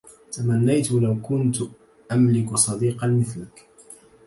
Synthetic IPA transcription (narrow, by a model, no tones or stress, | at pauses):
t̪amanːajt̪lawkʊnt̪ | ʔamlɪksˤɑd̪iːqɑnmɪθlak